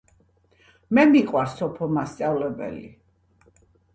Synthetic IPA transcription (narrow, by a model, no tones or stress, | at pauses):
mɛmiqʼwaɾsɔpʰɔmast̪sʼavlɛbɛ̰lḭ